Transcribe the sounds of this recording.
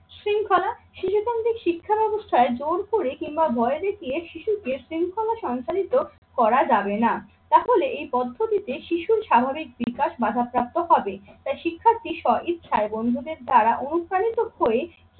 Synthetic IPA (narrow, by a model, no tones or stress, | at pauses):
sɾiŋkʰɔlaʃiʃuk̪ant̪ɾikʃikʰːabɛbost̪ʰaed͡ʑoɾkoɾekimbabʱɔed̪ekʰieʃiʃukeʃɾiŋkʰɔlaʃɔŋt͡ɕalit̪o | kɔɾad͡ʑabena | t̪aɦoleʔejpɔd̪ʱːot̪it̪eʃiʃuɾʃabʱabik̚bikaʃbad̪ʱap̚ːɾap̚t̪oɦɔbet̪ajʃikʰːaɾt̪iʃɔit̪ːʃʰaebond̪ʱud̪eɾd̪ʱaɾaʔonukɾanit̪ohoe